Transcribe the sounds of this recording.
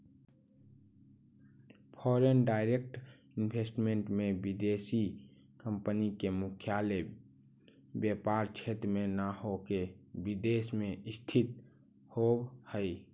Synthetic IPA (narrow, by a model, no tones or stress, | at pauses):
pʰɔːɾenɖaːɪɾek̚ʈ | ɪnbʱesʈmẽɳʈmẽbid̪esi | kəmpənikemʊkʰjale | bjepaɾt͡ʃʰet̪ɾmenahokebid̪esmẽɪst̪ʰit̪ | hobhəi